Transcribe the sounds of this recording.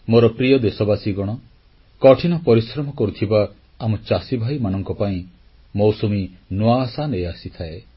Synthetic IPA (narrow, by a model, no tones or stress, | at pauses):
moɾɔpɾijɔd̪esɔbasiɡɔɽ̃ɔ | kɔʈʰinɔpɔɾisɾɔmɔkɔɾut̪ʰibaː | mɔt͡ʃasibʱajmanɔŋkɔpaĩ | mowsominuasaneasit̪ʰae